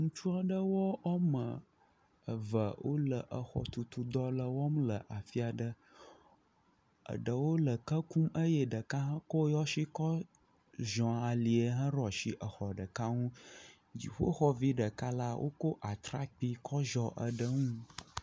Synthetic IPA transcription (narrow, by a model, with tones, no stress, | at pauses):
ŋũ˦t͡ʃu˦a˨ɖə˦wɔ˦ɔ˦mə̃˨ | ə˨və˨wʔo˦lə˨ʔə˨xɔ̰˨t̪u˨t̪u˨d̪ɔ˦lə˨wɔ˦mlə˨ʔa˨fi˦a˨ɖə˦ | ə̰˨ɖə˨wo˦lə˨kə˦ku˦mə˦jə˦ɖə˨ka˦ɦə̃˦ko˦jɔ˦ʃi˦kɔ˦ | ʒɔ̃˨a˨li˨ə˨ɦə̃˦ɾɔ˨ʃi˦ʔə˨xɔ˨ɖə˨ka˦ŋũ˦ | d͡ʑḭ˨ɸo̰˦xɔ˦vi˦ɖə˨ka˦la˦wʔo̰˦ko˦ʔa˨t̪ɾa˦k͡pi˦kʰɔ˦ʒɔ˨ʔə̰˨ɖə˦ŋũ˦